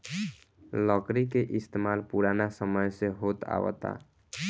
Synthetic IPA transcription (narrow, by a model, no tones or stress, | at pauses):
lɔkɾikeʔist̪emalpuɾanasəməjseɦot̪a̰wə̰t̪a̰